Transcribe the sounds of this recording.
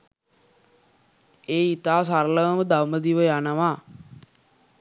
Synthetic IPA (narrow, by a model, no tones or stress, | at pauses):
eːit̪aːsaɾləʋəməd̪awməd̪iʋəjanəʋaː